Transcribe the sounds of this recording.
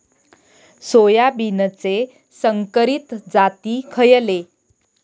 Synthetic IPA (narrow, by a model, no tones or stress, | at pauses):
sojabinət͡se | səŋkəɾit̪d͡zat̪iːkʰəjle